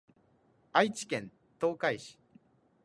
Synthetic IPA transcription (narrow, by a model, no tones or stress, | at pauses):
ait͡ɕi̥kẽ̞n | t̪o̞ːkaiɕi̥